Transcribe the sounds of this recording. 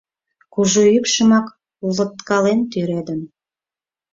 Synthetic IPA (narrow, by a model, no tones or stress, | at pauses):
kuʒuykʃə̆mɑk | ulət̪kɑlent̪yɾed̪əm